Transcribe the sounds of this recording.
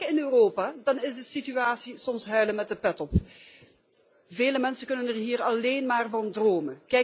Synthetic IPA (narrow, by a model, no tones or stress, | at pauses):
ɪnøːroːpaːdɑnɪzdəsityaːtsisɔmsɦœɥləmɛt̚dəpɛtɔp | veːləmɛnsəkɵnənərɦiːrɑleːnmaːrvɑndroːməkɛ